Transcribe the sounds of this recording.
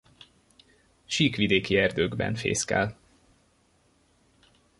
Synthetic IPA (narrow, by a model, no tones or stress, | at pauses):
ʃiːkʋid̪eːkiɛrd̪øːɡbɛ̰nfḛːskɛ̰l